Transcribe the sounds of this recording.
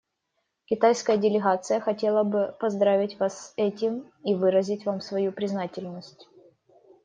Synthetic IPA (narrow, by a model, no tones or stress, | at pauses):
kʲɪt̪ajskəjədʲɪlʲɪɣat̪sɨjəxɐtʲe̞lˠəbɨpɐzd̪ɾavʲɪtʲvasːɛtʲɪm | ivɨɾəzʲɪtʲvamsvɐjupɾʲɪznatʲɪlʲnəsʲtʲ